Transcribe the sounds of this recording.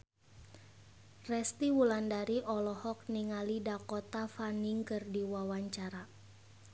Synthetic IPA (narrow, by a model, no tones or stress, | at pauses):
rɛst̪iwulandaɾiʔɔlɔhɔk̚niŋalidakɔt̪afaniŋkɨrdiwawaɲt͡ʃaɾa